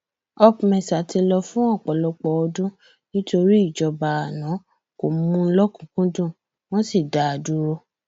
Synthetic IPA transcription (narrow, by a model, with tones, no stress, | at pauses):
ɔ˧pmɛ̃˨sa˨ti˧lɔ˧fũ˦ɔ˦˨k͡pɔ˨lɔ˧k͡pɔ˧ɔ˧dũ˦ | nĩ˦to˧ɾi˦i˦˨d͡ʒɔ˧ba˨a˨nã˨˦ | ko˨mũ˧˦lɔ˦kũ˨kũ˦dũ˦˨ | w̃ɔ̃˦si˦˨da˨˦a˨du˦ɾo˦